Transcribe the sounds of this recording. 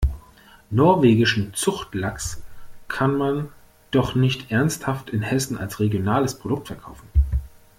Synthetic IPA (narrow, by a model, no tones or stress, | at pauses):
nɔɐveːɡɪʃn̩t͡sʊxtlakskʰanman | d̥ɔχnɪçtʔɛɐnsthaftɪnhɛsn̩a̰lsʁeɡjonaːləspʁ̥odʊk̚tfɛɐkʰaʊfn̩